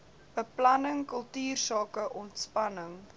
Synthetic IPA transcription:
b̥əplɐnəŋkəlˠtyːrsɑːkəʔɔntspɐnəŋ

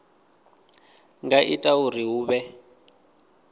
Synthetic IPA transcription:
ŋɡaʔitʼauriɦuːβɛ

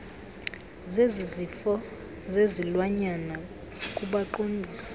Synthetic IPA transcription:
zezizifɔ | zezilwaɲana | kʼuɓaǃombʱiːsḁ

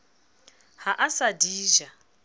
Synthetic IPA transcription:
haʔasadiːʒa

